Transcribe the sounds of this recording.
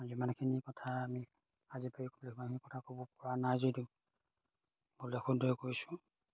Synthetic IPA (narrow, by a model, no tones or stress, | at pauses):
zimankʰinikɔtʰaːmi | azipaɹikɔblkimankʰinikɔtʰakobɔpɔɹanajzodi | bulxundʱɔjkoɹisʊ̥̃